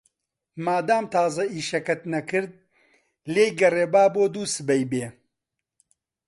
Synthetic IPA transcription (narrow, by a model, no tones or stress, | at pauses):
maːd̪aːmt̪ʰaːzɐiːʃɐkɐt̪nɐkɨɾd̪̚ | leːjɡɐreːbaːboːd̪uːsɨbɐjbeː